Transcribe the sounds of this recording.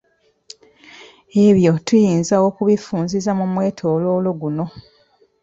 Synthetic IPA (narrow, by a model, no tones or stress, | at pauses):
e̞βjo̞tujiːnzao̞kuβifuːnzizamumwe̞ːtʰoːloːlo̞ɡuno̞